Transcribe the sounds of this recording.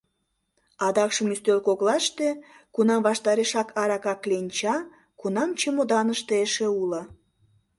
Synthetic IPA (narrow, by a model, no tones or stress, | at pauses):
ɑd̪ɑkʃəmyst̪ølkoɣlɑʃt̪e | kunɑmβɑʃt̪ɑɾeʃɑkʰɑɾɑkɑklenʲt͡ɕɑ | kunɑmt͡ɕemod̪ɑnəʃt̪eeʃĕulə